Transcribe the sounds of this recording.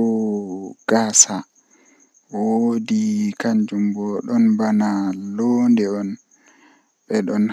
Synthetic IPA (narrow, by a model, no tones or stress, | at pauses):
ɔ | ɡ̥aːsa | wodikaɲd͡ʒumbɔɗɔnbanalondɛɔn | ɓɛɗɔn